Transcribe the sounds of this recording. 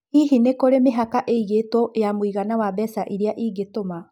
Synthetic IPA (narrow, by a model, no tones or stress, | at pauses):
iɦinekoɾemeɦakaʔeiɣetwɔʔjamoiɣanawabɛsaʔiɾeaʔiːɡetoma